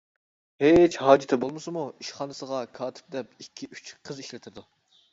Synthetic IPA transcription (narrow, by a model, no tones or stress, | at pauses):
het͡ʃhɑːd͡ʒɪt̪ʰɛbolˠmɨsɨmuiʃχɑːnɨsəʁɑkʰɑːt̪ʰɪ̥p̚d̪ɛpikʲʰːiy̥t͡ʃqʰəziʃlɪt̪ʰɪɾd̪u